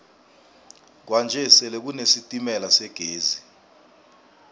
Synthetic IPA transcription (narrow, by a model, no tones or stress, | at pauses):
k̬wand͡ʒʱɛsɛlɛk̬unesitʼimɛlasɛɡ̥ʱeːzi